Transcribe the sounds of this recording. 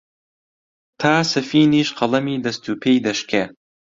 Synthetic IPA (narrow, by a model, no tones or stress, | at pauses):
t̪ʰaːsɐfiːniːʃqɐlˠɐmiːd̪ɐst̪uːpʰejd̪ɐʃkʰe